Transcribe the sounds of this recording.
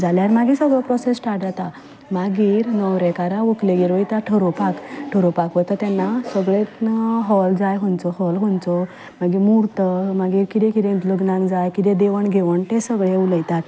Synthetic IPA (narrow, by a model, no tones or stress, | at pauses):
d͡zaljaɾmaɡisəɡɭɔpɾɔsesʈʰaʈd͡zat̪a | maɡiːɾnəwɾɛ̃kaɾaʋəkleɡiɾʋəjt̪aʈʰəɾopakʈʰəɾopakʋət̪ət̪ɛnːasəɡɭet̪ɦɔld͡zajɦõnt͡sɔhɔlɦont͡sɔ | maɡimuɾt̪əmaɡiːɾkit̪ẽkit̪ẽit̪ləɡnãŋɡd͡zajkid̪ẽd̪eʋəɳɡʱeʋəɳt̪esəɡɭeuləjt̪at̪